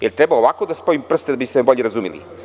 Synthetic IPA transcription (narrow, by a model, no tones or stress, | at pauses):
jeɾt̪ɾebaoʋakod̪aspo̞impr̩st̪ed̪abisebo̞ʎeɾazumḭlḭ